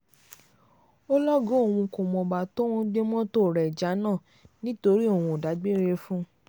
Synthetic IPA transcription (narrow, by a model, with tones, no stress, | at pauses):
o˦lɔ˦ɡo˦o˦˨w̃ũ˧ko˨mɔ̃˧ba˨to˦w̃ɔ̃˦ɡ͡be˦mɔ̃˦to˦˨ɾɛ˨d͡ʒa˨˦nã˦˨ | nĩ˦to˧ɾi˦o˦˨w̃ũ˧˨da˨˦ɡ͡be˦ɾe˧fũ˦